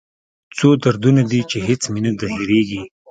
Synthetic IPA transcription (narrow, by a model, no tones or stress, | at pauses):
t͡sod̪aɾd̪unad̪it͡ʃeɦɪt͡sminad̪aheɾeɡi